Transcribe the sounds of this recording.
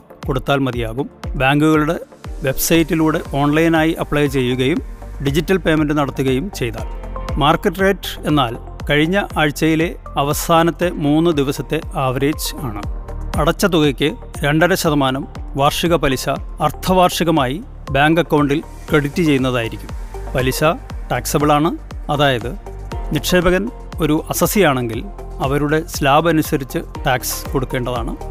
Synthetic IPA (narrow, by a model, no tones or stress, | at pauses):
ko̞ɽut̪ːaːlmɐd̪ijaːɣumbaːŋɡuɣɐɭuɽe̞ | ʋe̞bsɐjtːiluːɽe̞ʔo̞ːɳlɐjnaːjiʔɐpːɭɐjt͡ɕe̞jːuɣɐjumɖid͡ʑitːɐlpe̞ːmendɨnɐɽɐt̪ːuɣɐjumt͡ɕe̞jt̪a̰ːlmaːrkːɐʈːrejʈe̞nːaːl | kɐɻiɲːɐʔaːɻt͡ɕːɐjile̞ | ɐʋɐsaːnɐt̪ːe̞muːnːɨd̪iʋɐsɐt̪ːe̞aːʋɐɾe̞ːd͡ʑaːɳɨ̰ɐɽɐt͡ɕːɐt̪̬uɣɐkʲːɨ | ɾe̞ɳɖɐɾɐɕɐðɐmaːnɐmʋaːrʂiɣɐpɐliɕɐːrt̪ʰɐʋaːrʂiɣɐmaːji | baːŋɡɐkːɐwɳɖil | kreɽitːit͡ɕe̞junːɐðaːjiɾikʲːumpɐliɕɐʈaːksɐbiɭaːɳɨ | ɐðaːjɐðɨ | nirʈʂe̞ːbɐɣɐn | o̞ɾuʔɐsɐsijaːɳe̞ŋɡil | ɐʋɐɾuɽe̞slaːbɐnusɐɾit͡ɕːɨʈaːksko̞ɽukːe̞ːɳɖɐðaːɳɨ